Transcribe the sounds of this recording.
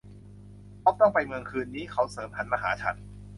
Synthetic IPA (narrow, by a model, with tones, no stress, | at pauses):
pʰɔː˦˥k̚t̪ɔ˥˩ŋpa˧jmɯ˧əŋkʰɯː˧nːiː˦˥kʰa˦˥wsɤː˩˦mpʰa˨˩˦nma˧ɦaː˩˦t͡ɕʰa̰˨˧˥n̚